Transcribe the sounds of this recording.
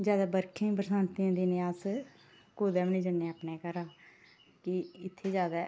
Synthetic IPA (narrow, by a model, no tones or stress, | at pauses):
d͡ʒjaːd̪aːbəɾkʰĩːpɾsãːnt̪ĩːd̪iːnɪ̃ːaːs | koːd̪ɛːmnĩːd͡ʒənːeəpneːkəɾaː | kɪɪt̪ʰːeːzjaːd̪aː